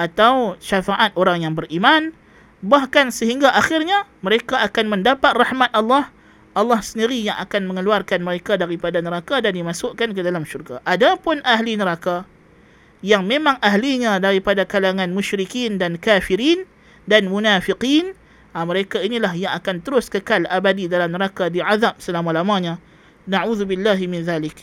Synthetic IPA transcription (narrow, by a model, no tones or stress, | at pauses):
ʔat̪awʃafaʔat̪̚ʔoɾaŋjaŋbərʔiman | bahkansəɦiŋɡaʔaxɪrɲaməɾekaakanməndapat̪̚rahmat̪̚ɑlːɑh | ʔɑlːɑhsəndiɾijaŋʔakanmə̃ŋəluarkanməɾekadaɾipadanəɾakadandimasʊʔkankədalamʃurɡaʔadapʊnʔaɦlinəɾaka | jaŋmẽmãŋʔaɦliɲãdaɾipadakalaŋanmuʃɾikindankafiɾin | danmunafiqin | aməɾekainilaɦjaŋakant̪əɾʊskəkalabadidalamnəɾakadiʕaðap̚səlamalamãɲã | naʕuðubilːaɦimɪnðalɪk̚